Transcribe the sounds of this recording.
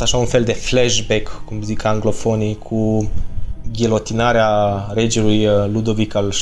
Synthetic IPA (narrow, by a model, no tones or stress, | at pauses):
t̪aʃaunfeld̪e̞fleʒbekːumzikaŋɡlo̞fonikʰu | ɡʲilot̪inaɾeaɾed͡ʒilujlud̪ovikal